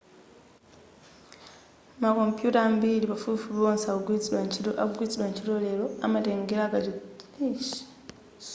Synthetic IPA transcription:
mako̞mpjutambiliβafufuβoːnsawit͡siwaa̰ɡwiːt͡siɾwaɲciɾole̞ɾo̞amateːŋɡeɾakaɾiiʃi̥

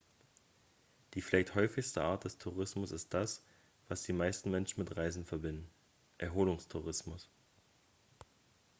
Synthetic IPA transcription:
d̥iːfɪlaɪçthɔʏfɪçstəʔaːɐt̚d̥ɛstʰuʁ̞ɪsmʊsɪst̚d̥as | v̥asd̥iːmaɪstn̩mɛnʃn̩mɪtʁaɪzn̩fɛɐbɪndn̩ | ʔɛɐɦoːlʊŋstʰuʁɪsmʊs

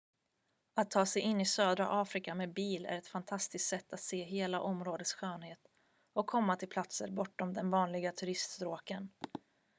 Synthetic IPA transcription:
at̪ʰːɑːsɛjɪnːɪsøːd̪ɾa̰ʔɑːfɾɪkameːbiːlæ̰ɾɛt̪fant̪ʰast̪ɪst̪sɛt̪ːat̪seːɦeːlaʔɔmɾoːd̪ət̪sɧøːnheːt̪ | ɔkʰːɔmːat̪ʰɪlpʰlat̪sə̰ɾbɔʈːɔmd̪ɛnvɑːnlɪɡat̪ʰɵɾɪst̪st̪ɾoːkən

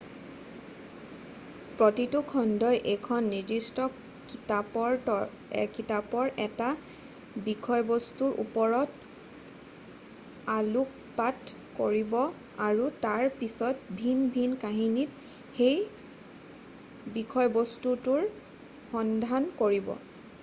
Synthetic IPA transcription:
pɹotitukʰɔndɔjʔekʰɔnːiɹdistɔ | kitapɔɹɔ | ɛ̰kitapɔɹʔɛta | bikʰɔjbostuɹʔṵpɔɹɔt | aluk̚ | pat | koɹibɔ | aɹutaɹpisɔtbʱinbʱinkaɦinit̚ | xej | bikʰɔjbostutuɹ | xɔndʱankoɹibɔ̰

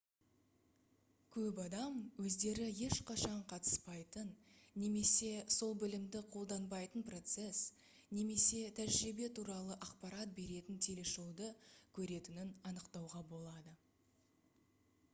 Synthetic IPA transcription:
kʲʰɵpɑd̪ɑmwɵzd̪e̞ɾɪje̞ʃqʰɑʃɑɴqʰɑt̪ə̥spɑjt̪ənːe̞me̞se̞so̞lˠbɪlɪmd̪ɪqʰo̞lˠd̪ɑnbɑjt̪ənpro̞t̪se̞s | ne̞me̞se̞t̪ʰæʒɾibe̞t̪ʰuɾɑlˠəʔɑqpɑɾɑt̪̚be̞ɾe̞t̪ɪnt̪ʰe̞le̞ʃo̞wd̪əkʲʰɵɾe̞t̪ɪnɪnɑnəqt̪ɑwʁɑbo̞lˠɑd̪ə

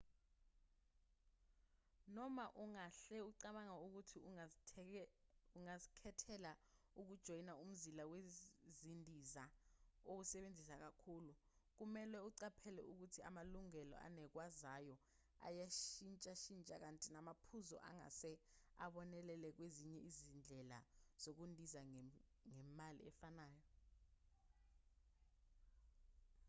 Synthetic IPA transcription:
nɔmaʔuŋaɬɛuǀaɓaŋauk̬utʰi | uŋazikʰɛtʰɛla | uk̬ud̥ʒ̥ʱɔjinaum̩zilawezindʱizaok̬usɛɓend͡zʱisak̬akʰuːlu | k̬umɛlɛuǀapʰɛlɛ̰uk̬utʰia̰maluŋɛlɔ̰ʔa̰nɛk̬wazajɔ | a̰jaʃint͡ʃʼaʃint͡ʃʼak̬antʼinamapʰuzɔ̰ʔa̰ŋa̰sɛaɓɔnɛlɛlɛk̬weziɲɛʔizind͡ɮʱɛla̰z̥ok̬undʱiza | ŋɛmalḭɛfanaːjɔ

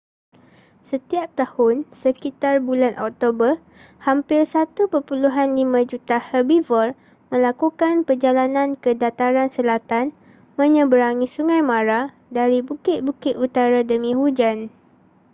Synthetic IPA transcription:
sət̪iap̚t̪ahʊnsəkit̪arbulanʔɔ̰k̚t̪obər | hampɪrsat̪upərpuluɦanlimãd͡ʒut̪ahəbivɔr | mə̃lakukanpərd͡ʒalanãnkədat̪aɾansəlat̪an | mə̃ɲə̃bəɾaŋĩsuŋãjmãɾa | daɾibukɪt̪̚bukɪt̪ut̪aɾadəmĩhud͡ʒan

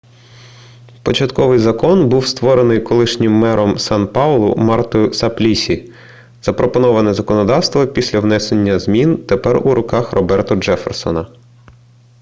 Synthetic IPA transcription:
pɔt͡ʃɐt̪kɔʋɪjzɐkɔnbuwst̪ʋɔɾenɪjkɔlˠɪʃnʲɪmːɛɾɔmsɑnpɑlˠʊ̰mɑrt̪ɔjʊsɐplʲisʲi | z̥ɐpɾɔpɔnɔʋɐnɛzɐkɔnɔd̪ɑwst̪ʋɔpʲisʲlʲɐwnɛsenʲːɐzmʲint̪epɛruɾʊkɑxrɔbɛrt̪ʊd͡ʒɛfḛrsɔ̰nɐ

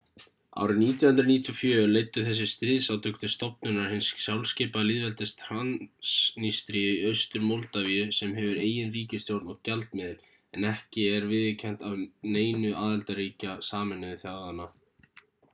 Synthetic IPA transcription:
a̰wɾɪniːt̪̬jɔnhʏnt̪ɾɪniːt̪ʰjɔfjœːlejt̪ːʏθɛs̬ːɪst̪ɾɪðsawt̪ʏkt̪ɪst̪ɔpnʏnaɾ̥hɪnssjawlscɪːpalɪːðvɛlt̪ɪst̪ʰɾansnist̪ɾijʏiœɥst̪ʏɾmowlt̪aviʏsɛmɦɛvʏɾeːjɪnriːcɪst̪jowɾt̪nɔɣcalt̪mɪðɪɾ | ɛnɛhcɪɛɾvɪðɪcʰɛn̥t̪awneːjnʏʔaːðɛlt̪aɾiːcasaːmɪnʏðʏθjaɣðanːa

